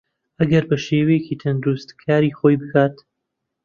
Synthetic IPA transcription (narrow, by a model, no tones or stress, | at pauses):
ʔɐɡɐɾbɐʃeːwejeciːt̪ʰɐnd̪ɾust̪kʰaːɾiːxoːjbɨkʰaːt̪